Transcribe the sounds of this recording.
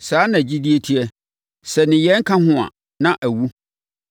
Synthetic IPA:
saː˨˦nã˨d͡ʑi˦di˦e˦tʰi˦ɛ˦ | sɛ˨nɪ̃˨jɛ˦ŋ̩˦kʰã˦ɦʊ̃˦a̰˨ | nã˦ʔæ˨wu˦

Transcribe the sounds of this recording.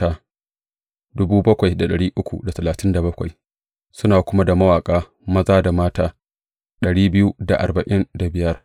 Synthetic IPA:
aː˦ | dʊ˦buː˦bɐ˦kʷa˨jda˨ɗɐ˨ɽiː˦ʔʊ˦kʷṵ˨da˨tɐ˨laː˨tɪ˦nda˨bɐ˦kʷa˨j | sʊ˦naː˨kʷʊ˦ma˦da˨mɐ˦waː˨kʼaː˦ | mɐ˦zaː˦da˨maː˦taː˦ | ɗɐ˨ɽiː˦bɪ˦ju˦da˨ʔa̰˨rbɐ˨ʔɪ˦nda˨bɪ˦jɐ˦r

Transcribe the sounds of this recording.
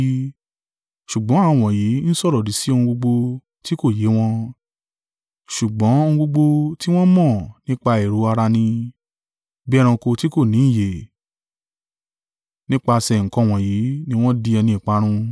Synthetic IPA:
ʃu˨ɡ͡bɔ̃˨˦a˦˧˨w̃ɔ̃˨ji˨˦n̩˦sɔ˦˨ɾɔ˨di˨˦si˨˦õ˧ũ˧ɡ͡bo˧ɡ͡bo˧ | ti˦ko˦˨je˨˦w̃ɔ̃˧ | ʃu˨ɡ͡bɔ̃˨˦o˧ũ˧ɡ͡bo˧ɡ͡bo˧ti˦w̃ɔ̃˦mɔ̃˦˨nĩ˦k͡pa˧e˨ɾo˨˧˦a˧ɾa˧nĩ˧ | bi˦ɛ˦ɾ̃ã˧ko˧ti˦ko˦˨nĩ˨˦˨je˨ | nĩ˦k͡pa˧sɛ˧˨ŋ̩˨kɔ̃˧˦˨w̃ɔ̃˨ji˨˦nĩ˦w̃ɔ̃˦di˧ɛ˧nĩ˧i˨k͡pa˨˦ɾ̃ũ˧

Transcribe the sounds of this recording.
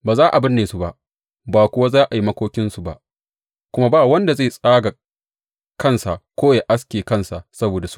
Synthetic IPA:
baː˨zaː˦ʔa˨bɪ˦nːeː˨su˦ba̰˨ʔ | baː˨kʷʊ˦wa˦zaː˦ʔa˨ji˦mɐ˦kʷoː˦kʲɪ˦nsu˨ba̰˨ʔ | kʷʊ˦ma˦baː˦˨wɐ˦nda˨za˦˨sʼaː˦ɡa˨ | kɐ˦nsa˨kʷoː˦ja˨ʔa˦skʲeː˨kɐ˦˨nsa˨ʔsɐ˦boː˨da˨su̥˦

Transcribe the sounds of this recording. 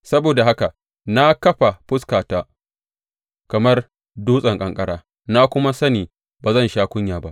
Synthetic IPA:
sɐ˦boː˨da˨ɦa˦ka˨ | na˦kɐ˦ɸa˨ɸʊ˦skaː˨taː˦ | kɐ˨mɐ˦r | duː˦sʼɐ˨ŋkʼɐ˨ŋkʼɐ˦ɽaː˦ | na˦kʷʊ˦ma˦sɐ˦niː˨ | baː˨zɐ˦nʃaː˦kʷʊ˦ɲjaː˨ba̰˦ʔ

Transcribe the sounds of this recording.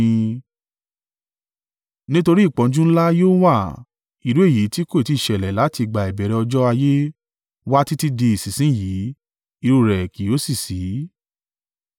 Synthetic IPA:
nĩ˦to˧ɾi˦˨k͡pɔ̃˨˦d͡ʒũ˦n̩˦la˦joː˦wa˦˨ | i˨ɾu˨˦e˦˨ji˨˦ti˦ko˦˨i˨ti˦i˨ʃɛ˨lɛ˨la˨˦ti˧ɡ͡ba˨i˨bɛ˨ɾɛ˧ɔ˧d͡ʒɔ˦a˧je˦ | wa˦ti˦ti˦de˧i˨si˨sĩ˦˨ji˨˦ | i˧ɾo˧˨ɾɛ˨ki˨˦o˨˦si˦˨si˨˦

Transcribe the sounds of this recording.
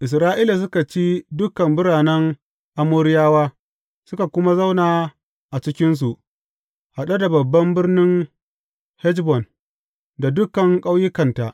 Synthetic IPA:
ʔɪ˨s̬ɾaː˦ʔiː˦la˨s̬ʊ˦ka˨t͡ʃiː˦dʊ˦kɐ˨mbʊ˦ɾaː˨nɛ˦ŋ | ʔa˦moː˦ɾɪ˦jaː˦waː˦ | sʊ˦ka˨kʷʊ˦ma˦za˦wnaː˨ | ʔa˨t͡ʃɪ˦kʲɪ˦ns̬u˨ʔ | ha˨ɗa˦da˨bɐ˨bːɐ˦mbɪ˦rnɪ˦ŋ | hɛ˦d͡ʒbɔ˨n | da˨dʊ˦kɐ˨ŋkʼa˦wjɪ˦kɐ˨nta˨ʔ

